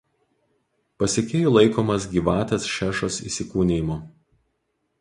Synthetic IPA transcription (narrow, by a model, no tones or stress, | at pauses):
pɐsʲekʲeːjuːˑlˠɐɪkoːmɐsɡʲiːʋɑːt̪ʲesʃʲæːʃosḭːsʲɪkuːnʲejmo